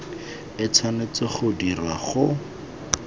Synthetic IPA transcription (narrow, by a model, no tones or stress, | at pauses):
ɪt͡sʰanet͡sɪχʊdira̰χʊ